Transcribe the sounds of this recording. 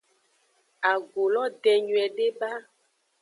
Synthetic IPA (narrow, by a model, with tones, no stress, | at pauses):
a˨ɡo˨lɔ˦d̪ɛ˨ɲũ˨ɛ˨ɖe˦ba˦